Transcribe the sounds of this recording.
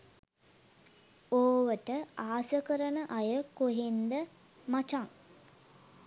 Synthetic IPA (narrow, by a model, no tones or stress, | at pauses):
oːʋəʈəaːsəkəɾənəʔajəkoɦend̪ə | mat͡ʃaŋ